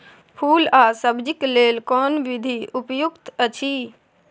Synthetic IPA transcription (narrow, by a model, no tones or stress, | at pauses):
pʰuːlaːsəbd͡ʒikleːlkɔːnʋid̪ʱiʔʊpjukt̪ət͡ʃʰiː